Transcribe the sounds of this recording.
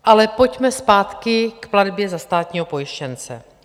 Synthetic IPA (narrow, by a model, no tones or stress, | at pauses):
ʔalɛpo̞cmɛspaːt̪kɪkpladbjɛzast̪aːt̪ɲiːɦopo̞jɪʃcɛnt͡sɛ̰